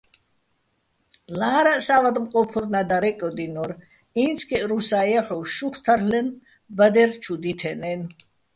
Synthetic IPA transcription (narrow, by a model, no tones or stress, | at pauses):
laːɾaʔsavad̪mqʼɔpʰuɾnad̪aɾɛkʼɔd̪inɔɾ | int͡sʰkʰɛʔɾusajaħɔʃuχt̪ʰaɾlɛn | bad̪ɛɾt͡ʃʰud̪it̪ʰɛnɛn